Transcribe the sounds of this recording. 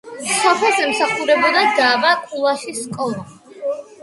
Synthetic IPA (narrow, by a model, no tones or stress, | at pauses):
sɔpʰɛlˠzɛmsaχuɾɛbɔd̪ad̪abakʼulˠaʃisːkʼɔlˠa